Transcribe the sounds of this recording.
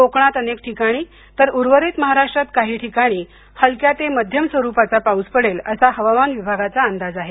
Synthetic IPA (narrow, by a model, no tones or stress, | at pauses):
okɳ̃at̪ənek̚ʈʰikaɽ̃iː | t̪əɾuɾʋəɾiːt̪məɦaɾaʂʈɾat̪kaɦiːʈʰikaɽ̃iː | həlkjat̪eməd̪ʱjəmsʋəɾupat͡sapauspəɽeləsaɦəʋamanʋibʱaɡat͡saːnd̪ad͡zaɦe